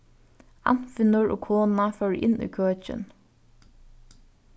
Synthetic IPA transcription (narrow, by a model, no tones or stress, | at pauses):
a̰n̥fɪnʊɹʔɔ̰ːkʰoːnafœːɹʔɪ̰nːḭːkʰøːt͡ʃɪ̰n